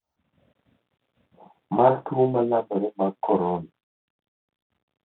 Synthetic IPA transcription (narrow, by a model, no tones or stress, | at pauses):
maɾtumalamɔɾemakʰɔɾona